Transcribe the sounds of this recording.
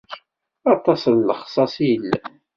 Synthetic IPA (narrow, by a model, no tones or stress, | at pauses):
ɑt̪ˤɑsnːəχsˤɑsijəlːæ